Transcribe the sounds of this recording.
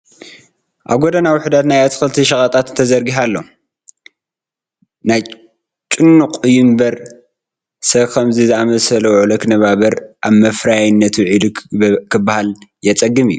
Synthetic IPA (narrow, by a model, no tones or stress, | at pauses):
ʔaβɡod̪ɐnawʊħd̪at̪najat̪ʰxɨlt̪ʰiʃɐkʼɐt̪ʼat̪ɨnt̪ʰɐzɐɾɡiɦalːo̞ | naj | t͡ʃʼɨnːuqʼɨjɪmbɐɾ | sɐβkʰɐmzɨzɨamɐsɐlɐwʕulɐknɐβaβɐɾʔaβmɐfɾajajnːɐt̪ʰuʕid̪ukʰɨbːahaljɛt͡sʼɐɡːɨmɨjːu